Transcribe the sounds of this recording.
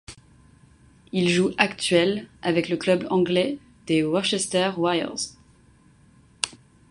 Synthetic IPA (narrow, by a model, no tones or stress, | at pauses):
ilʒuʔakt̪ɥɛlavɛkləklœblɑ̃ɡlɛ | d̪̥ewɔʁʃɛst̪ɛʁwajə̰ʁz